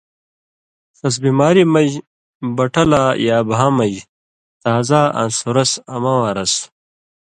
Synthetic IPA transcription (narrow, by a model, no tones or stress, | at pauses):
sɐs̬bimaːɾimɐj | bɐʈɐlaːjaːbɦaːmɐj | t̪aːzaːʔɐ̰nsuɾɐsɐmawaːɾɐs